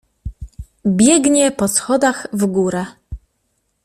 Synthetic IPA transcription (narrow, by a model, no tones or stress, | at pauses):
bʲjɛɡɲɛpɔsxɔd̪aɣvɡuɾɛ